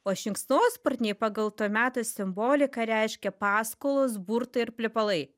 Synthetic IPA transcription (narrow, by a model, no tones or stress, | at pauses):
oːʃʲɪŋksnoːspɐɾʲt̪ʲnʲeːɪpɑɡɐlˠt̪uːmʲæːt̪osʲɪmboːlʲɪkɐɾʲɛɪʃʲkʲɛpɑːskoːlˠosbuːɾt̪ɐɪɪɾpʲlʲɪpɐlˠɐɪ